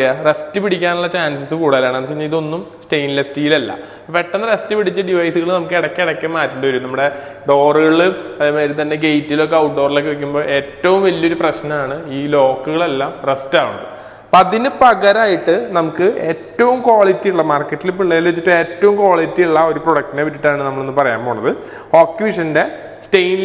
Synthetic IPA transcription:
arestːɨpiɽikʲːaːnuɭːɐt͡ɕaːnsɐsɨkuːɽɐɐlːaːɳenːɐt͡ɕejɲːɐiðo̞nːum | sʈejnlɐstiːilɐlːɐ̰ | ʋeʈːɐnːɐɾestːɨpiɽit͡ɕːɐɖiʋɐjsuɣɐɭɨnɐmukːɨeɽɐkːeɽɐkʲːɐmmaːtːuɳɖɨʋɐɾumnɐmːuɽe̞ | ɖo̞ːrɨɣɐɭuɐðemeːɾit̪ɐnːe̞ɡejtːilo̞kːeɐwʈɖo̞ːrlo̞kːeʋek̬ʲːumbo̞ːʔe̞ːtːɐʋumʋɐlːio̞ɾuprɐɕnɐmaːɳɨiːlo̞ːkːuɣɐɭelːaːmrestaːuɳːɐðɨ̰ | pɐðinɨpɐɣɐɾaːjiʈːɨnɐmukːɨʔeːtːɐʋumkwaːɭitːijuɭːɐmaːrkːɐtːilupiɭːɐjilʋit͡ɕːiʈːɨe̞ːtːɐʋumkwoːɭitːiuɭːɐo̞ɾuproɽɐk̚tineʋiʈ̬ːiʈːaːɳɨnɐmːɐɭenːɨpɐrɐja̰ːmboːɳːɐðɨ | o̞ːkːjʋiʂɐnde̞ | stejn

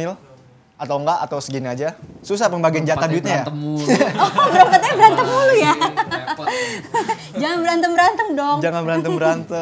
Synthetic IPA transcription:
ɪl | at̪awŋɡaʔat̪awsəɡinad͡ʒasusahpəmbaɡind͡ʒat̪aduɪt̪̚ɲaja | ɔbəɾaŋkat̪̚ɲabəɾant̪əŋuluja | d͡ʒaŋanbəɾant̪əmbəɾant̪əŋdɔŋd͡ʒaŋanbəɾant̪əŋbəɾant̪ə

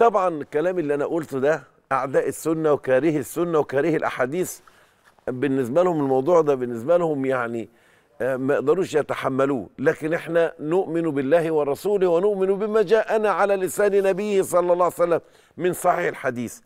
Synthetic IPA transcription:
t̪ˤɑbʕɑnkːælæːmɪlːiːʔænæʔʊlt̪d̪æ | ʔaʕd̪æːʔɪsːʊnːæwkæːɾɪhɪsːʊnːæwkæːɾɪhɪlʔa̰ħaːd̪iːs | bɪnːɪs̬bælhʊmɪlmɑwd̪ˤuːʕd̪æbɪnːɪs̬bælhʊmjaʕni | mæʔeʔd̪ɑɾˤuːʃjæt̪aħamːæluːlæːkɪnʔeħnænʊʔmɪnubɪlːæːhɪwɑɾˤɑsuːlɪhwænʊʔmɪnubɪmæd͡ʒæːʔænæʕalæːlɪsæːnɪnæbɪjːhsˤɑlːɑlˤːɑːʕwjsælːæmː | ɪnsˤɑħiːħɪlħad̪iːθ

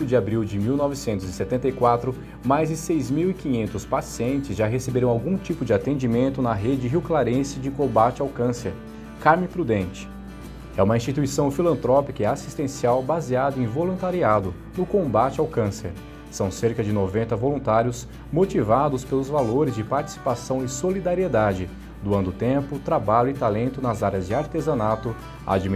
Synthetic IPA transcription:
ʊd͡ʒɪabɾiwd͡ʒɪmiwnɔvɪsẽnt̪ʊzɪset̪ẽnt̪ɐjkwat̪ɾʊ | majzd͡ʒɪsejzmiwikĩɲẽnt̪ʊspasiẽnt͡ʃɪzʒaɦesebeɾɐ̃w̃awɡũt͡ʃipʊd͡ʒɪat̪ẽd͡ʒimẽnt̪ʊnɐɦed͡ʒɪɦiwklaɾẽsɪd͡ʒɪkõbat͡ʃɪawkɐ̃seɾ | kaɾmɪ̃pɾud̪ẽnt͡ʃɪ̥ | ɛũmɐĩst͡ʃit̪uisɐ̃w̃filɐ̃nt̪ɾɔpikɐɪasi̥st̪ẽsiawbaziad̪ʊẽj̃volũnt̪aɾiad̪ʊ | nʊkõbat͡ʃɪawkɐ̃sḛɾ | sɐ̃w̃seɾkɐd͡ʒɪnovẽnt̪ɐvolũnt̪aɾjʊs | mot͡ʃivad̪ʊspelʊzvaloɾɪzd͡ʒɪpaɾt͡ʃi̥si̥pasɐ̃w̃ɪsolid̪aɾied̪ad͡ʒɪ | d̪uɐ̃nd̪ʊt̪ẽpʊt̪ɾabaʎʊɪt̪alẽnt̪ʊnɐzaɾjɐzd͡ʒɪaɾt̪ezɐ̃nat̪ʊ | a̰d͡ʒim

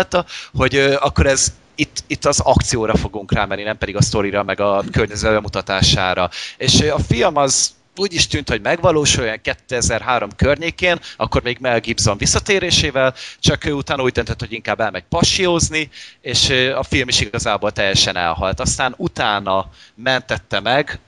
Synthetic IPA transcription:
t̪ɒho̞ɟøːɒkːo̞ɾɛz | it̪ːit̪ːɒzɒk̚t̪sijoːɾɒfo̞ɡuŋkraːmɛnːinɛmpɛd̪iɡɒst̪o̞ɾiɾɒmɛɡɒkørɲɛzɛd̪̚bɛmut̪ɒt̪aːʃa̰ːɾɒeːʃøɒfilmɒz | uːɟiʃt̪yːnt̪ho̞ɟmɛɡvɒloːʃujjɔŋkɛt̪ːøɛzɛrɦaːɾo̞mkørɲeːkeːnɒ̰kːo̞rmeːɡmɛlɡiːbzoɱvisːɒt̪eːɾeːʃeːvɛlt͡ʃɒkøːut̪aːnuːɟ̚d̪ønt̪øt̪ho̞ɟiŋkaːbːɛlmɛɟ̚pɒʃijoːznieːʃøɒfilmiʃiɡɒzaːboːlt̪ɛjːɛʃɛnɛ̰lɦɒ̰lt̪ɒst̪aːnut̪aːnɒmɛnt̪ɛt̪ːɛmɛɡ

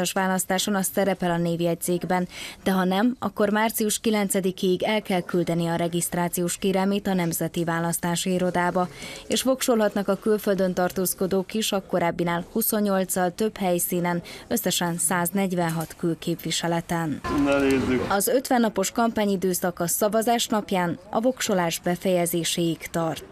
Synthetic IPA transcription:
ɒʃʋaːlɒst̪aːʃonɒssɛɾɛpɛlɒneːviɛc̪̚seːɡbɛnd̪ɛɦɒnɛmɒ̰kːo̞rmaːrt̪sijuʃkilɛnt̪sɛd̪ikeːiɡɛlkɛlkyld̪ɛnijɛɒɾɛɡist̪raːt̪sijoːʃkeːɾɛlmeːt̪ɒnɛmzɛt̪ivaːlɒst̪aːʃiiɾo̞d̪aːbɒeːʃfo̞kʃolɦɒt̪nɒkɒkylfø̞ld̪ø̞nt̪ɒrt̪oːsko̞d̪oːkiʃɒko̞ɾaːbːinaːlhuso̞ɲːo̞lt̪sɒlt̪ø̞bhɛjsiːnɛnø̞sːɛʃɛnsaːznɛɟvɛnɦɒt̪kylkeːpʋiʃɛlɛt̪ɛnnɛneːzyɒzø̞t̪ʋɛnːɒpo̞ʃkɒmpaːɲid̪øːsɒkɒsɒvɒzaːʃnɒpjaːnɒ̰vo̞kʃo̞laːʒbɛfɛjɛzeːʃeːikt̪ɒrt̪

